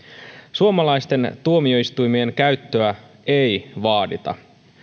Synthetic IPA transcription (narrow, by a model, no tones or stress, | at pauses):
suomɑlɑjst̪e̞nt̪uo̞mio̞ist̪ujmie̞ŋkæɥt̪ːø̞æ | e̞jʋɑːdit̪ɑ̰